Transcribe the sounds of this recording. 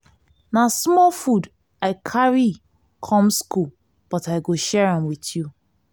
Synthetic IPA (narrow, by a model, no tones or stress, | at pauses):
nasmɔlfud | aɪkʰaɹi | kʰɔ̃mskul | b̥ɔtaɪɡoʃɛɹãmwitju